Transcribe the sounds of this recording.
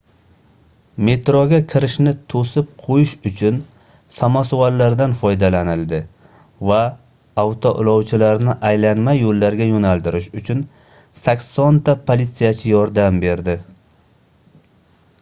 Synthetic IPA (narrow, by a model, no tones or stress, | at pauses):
me̞t̪ɾoɡʲakʲʰɪɾɪʃnɪt̪ʰosɪp̚qʰojɪʃʊt͡ʃʰʊn | samasualːaɾd̪anfɒjd̪alanɪlˠd̪ɪ | vaː | wt̪ʰoʔɪ̰lˠɒwt͡ʃʰɪlaɾnɪʔajlanmajolːaɾɡʲajonalˠt̪ɪɾɪʃʊt͡ʃʰʊn | sakʲsɒnt̪ʰapʰolit̪sijat͡ʃʰɪjɒɾd̪ambe̞ɾd̪ɪ